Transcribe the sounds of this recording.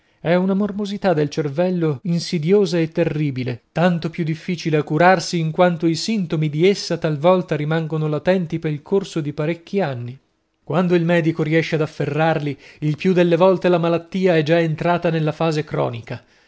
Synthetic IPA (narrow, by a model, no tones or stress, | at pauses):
ɛunamormozit̪ad̪ːelt͡ʃervɛlːoinsid̪joːzaet̪ːerːiːbilet̪ant̪opjud̪ːifːiːt͡ʃileakːuɾarsiːŋkwant̪oisint̪omid̪iesːat̪alvɔlt̪aɾimaŋɡonolat̪ɛnt̪ipeɾilkʰorsod̪ipaɾekːianːi | kwand̪oilmɛːd̪ikoɾiɛʃːead̪afːerːarliilpjud̪elːevɔlt̪elamalat̪ːiːaɛd͡ʒaent̪ɾaːt̪anelːafaːzekɾɔ̰ːnika